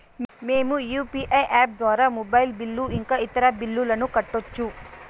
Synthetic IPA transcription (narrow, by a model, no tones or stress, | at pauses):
mmeːmujuːpiʔɐjʔaːp̚d̪ʋaːɾaːmɔbɐjlbilːuiŋkaːit̪ɐɾɐbilːulɐnukɐʈːot͡ʃːu